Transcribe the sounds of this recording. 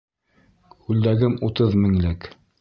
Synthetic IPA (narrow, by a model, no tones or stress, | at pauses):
kʉld̪æɡɘmut̪ɤðmɘ̆ŋlɘk